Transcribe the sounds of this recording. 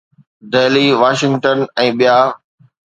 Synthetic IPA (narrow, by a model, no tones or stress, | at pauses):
d̪eːliːʋaːʃɪ̃ŋɡʈənɛ̃ːɓijaː